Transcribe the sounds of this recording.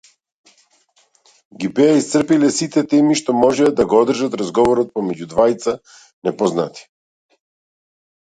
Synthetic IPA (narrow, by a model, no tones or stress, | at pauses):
ɡibɛaist̪sr̩pilɛsit̪ɛt̪ɛmiʃt̪ɔmɔʒɛd̪aɡɔɔd̪r̩ʒat̪ɾazɡɔvɔɾɔt̪̚pɔmɛɟud̪vajt̪sa | nɛpɔznat̪i̥